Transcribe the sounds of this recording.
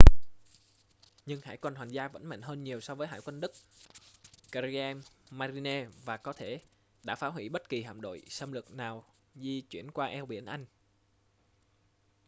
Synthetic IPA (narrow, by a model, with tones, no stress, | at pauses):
ɲɨ˧ŋha̰ː˧˥˩jkwə˧˩nɦwaː˨˩ŋzaː˧və̰˧˥nmɛ̰˧˨jŋɦəː˧nɲi˨˩əwsɔ˧vəː˨˦jɦa̰ː˧˥jkwə˧nɗɨ˦˥k̚ | ka˧ɾi˧ɛ˧mːaː˧ɾi˧ne˧vaː˨˩kɔ˨˦t̪ʰe˧˩ | ɗa̰ː˧˥faː˨˦wɦwḭ˧˩ɓə˦˥t̚ki˨˩ɦa̰ː˧˨mɗo̰˧˨jsə˧mlɨ˨˩ək̚naː˨˩w | zi˧t͡ɕwḭ˧˩ənkwaː˧ʔɛ˧wɓḭ˧˩ənʔa˧jŋ̟